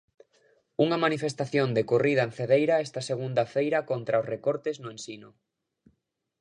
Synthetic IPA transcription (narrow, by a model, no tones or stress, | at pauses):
uŋɐmanifest̪aθjond̪ekorið̞ɐenθeðejɾɐɛst̪ɐseɣund̪ɐfejɾɐkont̪ɾɐosrekoɾt̪ɪznʊensinʊ